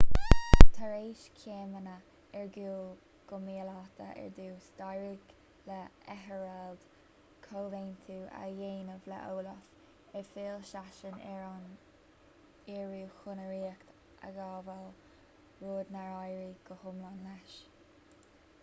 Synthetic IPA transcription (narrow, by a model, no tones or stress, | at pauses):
t̪ʰaɾeːʃkʰeːmənə | ɛɹɡuːl | ɡ̥ʊmiːəlat̪ʰə̰ʔɛ̰ɹd̪uːstajɹɪɡ | lɛɛɦəɹald̪̥ | kʰoːveːnt̪ʰuːa̰jeːnəvlɛ̰ʔoːləf | ɛfeːlʃaʃənɛɹan | iːɹuːxʊnəɾiːkt̪ | ʔa̰ɡaːval | ɹoːd̪naɹajɹiɡ̥əhʊmlanlɛʃ